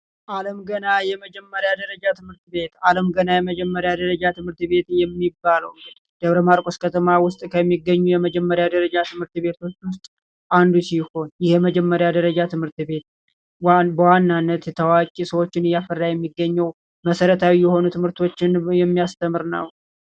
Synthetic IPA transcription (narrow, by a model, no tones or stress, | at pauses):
ʔaləmɡənajɛməd͡ʒɛmːəɾjad̪əɾəd͡ʒat̪ʰɨmɨɾt̪be̞t̪aləmɡənajɛməd͡ʒɛmːəɾjad̪əɾəd͡ʒat̪ʰɨmɨɾt̪be̞t̪jɛmːibːaləw | d̪̥əβɾəmaɾkʼoskʰət̪ʰəmawʊst̪ʼkʰəmːiɡːəɲːujɛməd͡ʒɛmːəɾjad̪əɾəd͡ʒat̪ʰɨmɨɾt̪be̞t̪ʰo̞t͡ʃːwʊst̪ʼ | ʔand̪usiho̞njɪhjməd͡ʒɛmːəɾjad̪əɾəd͡ʒat̪ʰɨmhɨɾt̪be̞t̪̚ | bəwanːanːət̪jɛt̪ʰəwakʼisəwot͡ʃːɪnɨjafərːajɛmːiɡːəɲːəw | məsəɾət̪ʰawijɛho̞nut̪ʰɨmhɨɾt̪ʰo̞t͡ʃːɪnjɛmːijast̪ʰəmɨɾnə̰w